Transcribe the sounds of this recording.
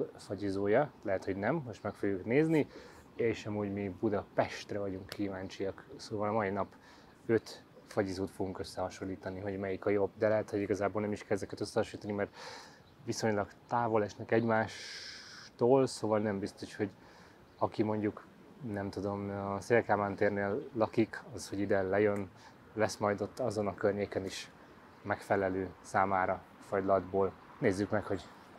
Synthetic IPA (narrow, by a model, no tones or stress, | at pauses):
fɒɟizoːjɒlɛɦɛt̪ho̞ɟnɛmhoʃt̪mɛkfoɡjukneːzni | eːʃɒmuːɟmibud̪ɒpɛʃt̪rɛvɒɟuŋkːiːvaːnt͡ʃijɒksoːvɒlɒmɒinɒp | øt̪ | fɒɟizuːt̪fo̞ɡuŋkø̞sːɛhɒʃo̞lːiːt̪ɒniɦo̞ɟmɛjikɒjo̞bd̪ɛlɛɦɛt̪ho̞ɟiɡɒzaːboːlnɛmiʃkɛlɛzɛkɛt̪øsːɛɦɒʃolit̪ɒnimɛrt̪ | viso̞ɲlɒɡt̪aːvo̞lɛʃnɛkɛɟmaːʃ | t̪oːlsoːvɒlnɛmbist̪o̞ʃho̞ɟ | ɒkimo̞ɲɟuk | nɛmt̪ud̪o̞mseːlkaːmaːnt̪eːrneːlːɒkikɒsho̞ɟid̪ɛlɛjøn | lɛsmɒjd̪o̞t̪ːɒzo̞nɒkørɲeːkɛniʃ | mɛkfɛlɛløːsaːmaːɾɒ | fɒjd̪lɒd̪boːl | neːzːykmɛkho̞ɟ